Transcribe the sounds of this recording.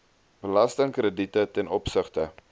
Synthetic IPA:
b̥əlɐstəŋkrəditətɛnʔɔpsəχtə

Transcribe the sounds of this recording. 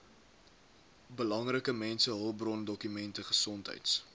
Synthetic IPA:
bəlɐŋrəkəmɛnsəɦəlˠbrɔndɔkymɛntəχəsɔntɦə̰jts

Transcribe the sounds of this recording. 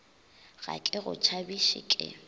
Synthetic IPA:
ɣa̰kʼɪɣʊt͡ʃʰabiʃɪkʼɪ̰

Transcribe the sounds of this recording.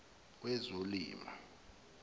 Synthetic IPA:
wɛzolḭːma̰

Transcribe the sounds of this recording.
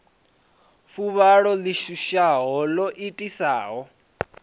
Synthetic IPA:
fuβaɺɔliʃuʃaɦɔlɔʔitʼisaːɦɔ

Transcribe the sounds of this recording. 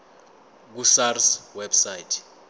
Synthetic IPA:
k̬usarswɛbsajtʰ

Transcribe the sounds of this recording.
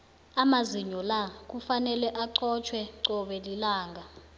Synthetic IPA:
amaziɲɔlak̬ufanɛlɛʔaǀɔt͡ʃʰwɛǀɔɓɛlilaːŋɡʱa

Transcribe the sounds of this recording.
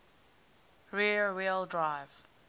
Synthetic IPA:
ɹiɹwelˠdɹaɪv

